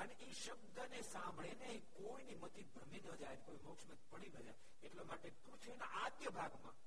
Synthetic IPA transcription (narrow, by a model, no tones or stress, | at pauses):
əneʔiʃəb̚d̪ənesãmbʱɭeneikoinimət̪ibʱɾəminə̃d͡ʒajnkoimokʃmət̪ipəɽinə̃d͡ʒa̰j | eʈlomaʈet̪ũt͡ʃʰeːnaʔad̪jəbʱaɡmã̰